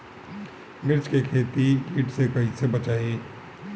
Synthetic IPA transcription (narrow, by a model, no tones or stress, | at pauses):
mɪɾt͡ʃkekʰeːt̪ikiːʈsekɐɦisebɐt͡ʃaːiː